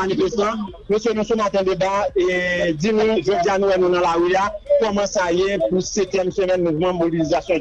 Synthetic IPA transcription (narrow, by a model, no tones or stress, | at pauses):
anifest̪ɑ̃mesenũsumat̪ɛ̃d̪ebaed͡zinũʒod͡zianũwɛnũnɐ̃laɣyakɔmɑ̃sajepuseklɛmsømɛ̃nmũvmʌ̃mobilizasjɔ̃